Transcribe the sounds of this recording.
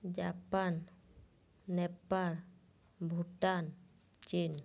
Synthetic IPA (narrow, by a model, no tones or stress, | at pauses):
d͡ʒapan | ɛpal | bʱuʈan | t͡ʃin